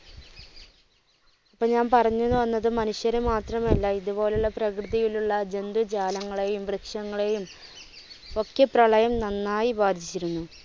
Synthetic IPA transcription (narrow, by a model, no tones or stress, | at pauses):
ɐpːoːɲaːnpɐrɐɲːunːuʋɐnːɐðɨmɐnuɕjɐɾemaːt̪rɐmɐlːɐiðubo̞ːle̞uɭːɐprɐkrɨðɐjiluɭːɐd͡ʑend̪ɨt͡ɕaːlɐŋːɐɭejumbrɨkʂɐŋːɐɭe̞jum | o̞kːjɐprɐɭɐjɐmnɐnːaːjibaːd̪ʱit͡ɕːiɾunːu